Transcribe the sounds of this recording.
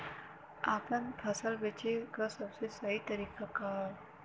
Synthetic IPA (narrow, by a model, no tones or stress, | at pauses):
aːpənpʰɐsəlbet͡ʃekasɐbsesɐɦit̪ɐɾiːkakaːɾ